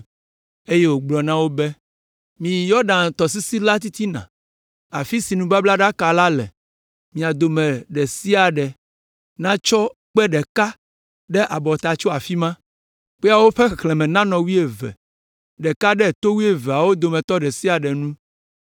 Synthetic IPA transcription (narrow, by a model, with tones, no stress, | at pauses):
e˦je˦wo˨ɡ͡blɔ˨nã˦wo˦bɛ˦ | mĩ˨ji˨jɔ˦ɖã˨nt̪ɔ˨s̬i˦si˦la˦t̪̬i˦t̪i˦nã̰˨ | a̰˨fi˦si˨nũ˦ba˦bla˦ɖa˦ka˨la˦lɛ̰˨ | mĩ˨a˨d̪o˨mɛ̃˨ɖɛ˨si˦a˨ɖɛ˨ | nã˦t͡ʃɔ˦ | k͡pɛ˦ɖɛ˨ka˦ | ɖɛ˦ʔa˨bɔ˨t̪a˨t͡ʃɔ˦a˨fi˦mã˦ | k͡pɛ˦a˨wo˦ɸɛ˦xɛ˨xlɛ̃˨mɛ̃˨nã˦nɔ̃˨wi˦e˨vɛ̰˨ | ɖɛ˨ka˦ɖɛ˦˨t̪o˦wi˦e˦vɛ˨a˨wo˦d̪o˨mɛ̃˨t̪ɔ˦ɖɛ˨si˦a˨ɖɛ˨nũ˦